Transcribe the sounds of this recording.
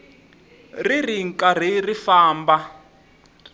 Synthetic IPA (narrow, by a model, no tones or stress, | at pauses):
ririŋ̩kʼar̤irifaːmba